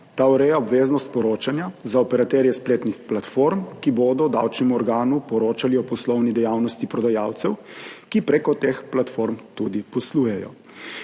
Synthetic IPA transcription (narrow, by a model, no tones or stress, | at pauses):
t̪auɾɛjaɔbʋeːznɔst̪̚pɔɾoːt͡ʃanjazaɔpɛɾat̪ɛɾjɛspleːt̪nixplat̪foɾmkiboːd̪ɔd̪a̰wt͡ʃnɛmuɔɾɡaːnupɔɾoːt͡ʃaliɔpɔslɔwnid̪ɛjaːwnɔst̪ipɾɔd̪ajaːwt̪sɛwkipɾekɔt̪explat̪foɾmt̪ud̪ipɔsluːjɛjɔ̰